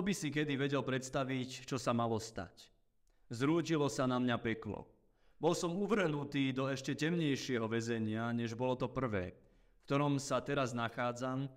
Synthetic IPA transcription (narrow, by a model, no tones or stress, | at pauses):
ɔbisik̬ɛd̪iʋɛɟɛlpɾɛt̪st̪aʋict͡ʃɔsamalɔst̪a̰c | zɾuːcilɔsanamɲapɛklɔ̰ | bɔlsɔmuʋr̩ɦnut̪iːd̪ɔɛʃcɛcɛmɲɛjʃɪɛɦɔʋɛzɛɲɪaɲɛʒbɔlɔt̪ɔpr̩ʋɛ̰ː | fkt̪ɔɾɔmsat̪ɛɾaznaxaːd͡zam